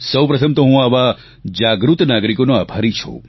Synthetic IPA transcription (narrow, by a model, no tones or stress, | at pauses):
səwpɾət̪ʰəmt̪oɦũaʋa | d͡ʒaɡɾut̪naɡɾikonoabʱaɾit͡ʃʰṵ